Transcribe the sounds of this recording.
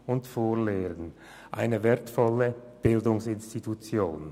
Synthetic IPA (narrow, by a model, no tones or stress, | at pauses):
ʊntfoːleːʁən | ʔaɪnəvɛːɐtfɔlə | b̥ɪldʊŋsɪnstitʰut͡sjoːn